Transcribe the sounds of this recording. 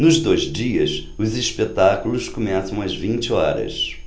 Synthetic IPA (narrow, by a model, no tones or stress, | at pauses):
nʊzd̪ojzd͡ʒiɐsʊziʃpet̪akulʊskomɛsɐ̃w̃ɐzvĩnt͡ʃɪɔ̰ɾɐ̰s